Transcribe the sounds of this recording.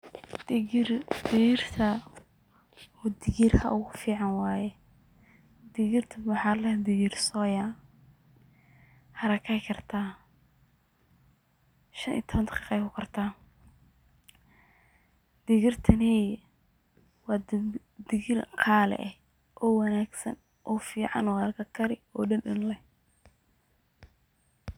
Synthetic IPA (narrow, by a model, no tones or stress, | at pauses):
d̪ɪɣirt̪ʰɐ | ɔd̪ɪɣirhɐ̰ʔʊɣʊfiːʕɑnwaːjɛ | d̪ɪɣɪrt̪ʰɐʊħɑːlɛd̪ɪɣirsɔːja | hɐɾɐkʰɐjkʰɐrt̪ʰaː | ʃɐnʔḭːt̪ʰɔβɐnt̪ʰqɪqɛjkʰʊkʰɐrt̪ʰaː | d̪̥ɪɣɪrt̪ʰɐnɛːj | wɑː | d̪ɪɣɪrqʰaːlɛ̰ʔɛh | ʔɔːwɐnaːɡsɐ̰n | ʔɔːfiːʕɑ̰nwɑrkʰɐkʰɐɾɪɔːɗɐnɗɪnlɛh